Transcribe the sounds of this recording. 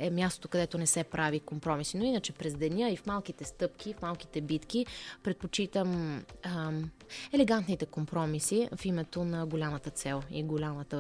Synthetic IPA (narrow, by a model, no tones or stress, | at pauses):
ɛmʲjast̪o̥t̪okɐd̪ɛt̪onɛsɛpɾʔavikompɾɔmisinoinət͡ʃɛpɾɛzd̪ɛnʲəifmalˠk̟it̪ɛst̪ɤpk̟ʲifmalˠki̥t̪ɛbit̪kipɾɛt̪̚pot͡ʃit̪əm | ɛlɛɡant̪nit̪ɛkompɾɔmisifimɛt̪onɐɡolʲamət̪ət̪sɛlˠḭɡolʲamət̪ə